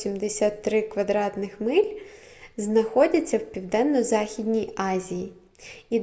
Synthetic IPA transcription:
imd̪esʲat̪ːɾɪkʋɐd̪ɾɑt̪nɪxmɪlʲznɐxɔdʲɐt͡sʲːɐwpʲiwd̪ɛnːɔzɑxʲid̪ʲnʲijɑzʲiji | i

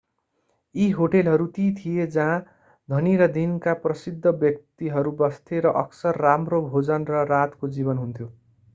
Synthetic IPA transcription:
iɦoʈelɦʌɾut̪it̪ʰijed͡zã | d̪ʱʌniɾʌd̪inkaprʌsid̪ʱːʌbjʌk̚t̪iɦʌɾubʌst̪ʰeɾʌʔʌksʌrːamrobʱod͡zʌnrʌɾat̪kod͡zibʌnɦunt̪ʰjo

